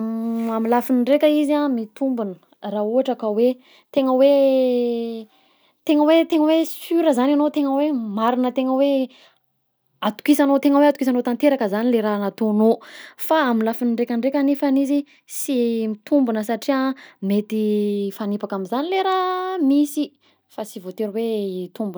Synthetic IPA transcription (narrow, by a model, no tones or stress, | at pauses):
amilafiniɳɖ͡ʐekʲəizamit̪umbunə | rauɦaʈ͡ʂakəwe | t̪eŋəwe | t̪eŋəwet̪eŋəwesyɾəzananot̪eŋəwemaɾinət̪eŋəwe | at̪u̥kisanot̪eŋəweat̪ukis̬anot̪ant̪eɾakəzanileɾanat̪onofaaminlafinɳɖ͡ʐekʲaɳɖ͡ʐekʲanifanizi | simit̪umbunəsaʈ͡ʂiamet̪ifanipakamizanileɾamisi | fasivot̪eɾwet̪umbun